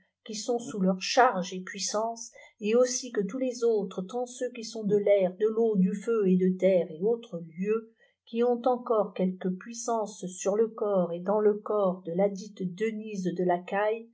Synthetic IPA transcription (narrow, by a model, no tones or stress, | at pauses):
kʲisɔ̃sulœʁʃaʁʒepɥisɑ̃seosikət̪ulezot̪χət̪ɑ̃søkʲisɔ̃d̪əlɛʁd̪əlod̪yføed̪ət̪ɛʁeot̪χəljø | kʲiɔ̃t̪ɑ̃kɔʁkʲɛlkəpɥisɑ̃sːyʁləkɔʁed̪ɑ̃ləkɔʁd̪əlad̪it̪d̪ənizd̪əlakaj